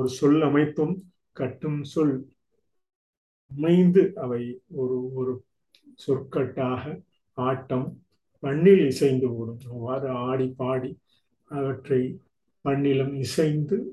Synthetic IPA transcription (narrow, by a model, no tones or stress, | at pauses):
ɔɾɯsɔlɐmɐɪt̪ːɯm | kɐʈːɯmsɔl | ɐmɐɪnd̪ɯʔɐʋɐɪɔɾɯɔɾɯ | sɔrkːɐʈːaːɣɐ | aːʈːɐm | pɐɳːɪlɪsɐɪnd̪ɯʋɐɾɯmʋaːɾɯaːɽipːaːɽi | ɐʋɐʈrɐɪ | pɐɳːɪlɐmɪsɐɪnd̪ɯ